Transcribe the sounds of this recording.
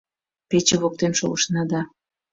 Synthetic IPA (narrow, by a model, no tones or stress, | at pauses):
pet͡ɕeβok̚t̪enʃo̰ɣəʃnɑd̪ɑ